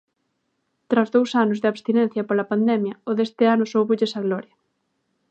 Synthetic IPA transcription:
t̪ɾazðowsanʊzðeaβst̪inɛn̟θjɐpolɐpand̪ɛmjɐoðest̪ɪanʊsowβoʎesaɣlɔɾjɐ

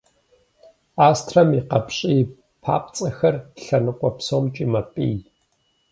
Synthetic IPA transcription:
aːstʰrɐmiqɐpɕʼiː | pʰa̰ːpt͡sʼɐxɐrɬɐnɨkʷʼɔpsoːmt͡ʃʼiːmɐpʼḭːj

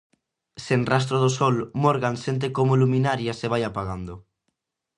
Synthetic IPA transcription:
senras̬t̪ɾoð̞osɔlmoɾɣansent̪̬ekomoluminaɾjaseβ̞ajapaɣand̪o

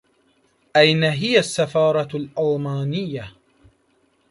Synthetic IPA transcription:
ʔajnaɦɪjasːafɑːɾˤɑlʔɑlˤmaːnɪjːa

